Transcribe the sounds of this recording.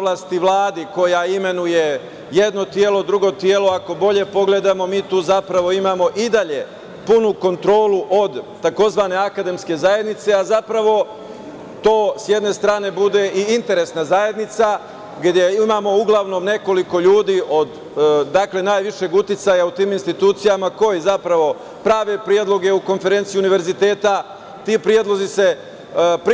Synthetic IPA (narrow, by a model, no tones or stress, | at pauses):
oʋlˠast̪iʋlˠaːd̪iko̞jaime̞nuje | jed̪no̞t̪jeːlod̪ɾuɡo̞t̪jeːlo̞ako̞bo̞ʎe̞po̞ɡle̞d̪amo̞miːt̪uːzapɾaʋo̞imaːmo̞ʔid̪aʎe̞ | punuko̞nt̪ɾo̞ːluʔo̞d̪t̪ako̞zʋane̞akad̪e̞mske̞zaje̞d̪nit̪se̞azapɾaʋo̞ | t̪o̞ːsje̞d̪ne̞st̪ɾaːne̞bud̪e̞ʔiint̪e̞ɾe̞snazaːje̞d̪nit̪sa | ɡd̪jeimaːmo̞uɡlˠaʋno̞mne̞ko̞liko̞ʎuːd̪iːʔo̞d̪ː | akle̞naːjʋiʃe̞ɡut̪it̪sajaut̪iːminst̪it̪uːt̪sijamako̞jizapɾaʋo̞ | pɾaːʋe̞pɾijed̪lˠo̞ɡe̞uko̞nfe̞ɾent̪sijiuniʋe̞ɾzit̪e̞ːt̪a | t̪iːpɾje̞d̪lˠo̞zise̞ | p